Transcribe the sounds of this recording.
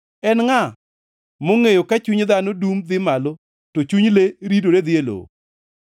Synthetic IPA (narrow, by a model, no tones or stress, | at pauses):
ɛnŋa | moŋejokat͡ʃuɲd̪anodumd̪ɪmalo | tot͡ʃuɲleɾidoɾed̪ɪelo̰